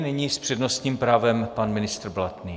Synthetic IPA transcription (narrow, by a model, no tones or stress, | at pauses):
nɪɲiːspr̥ɛdnost̪ɲiːmpɾaːvɛmpanmɪnɪst̪rblat̪niː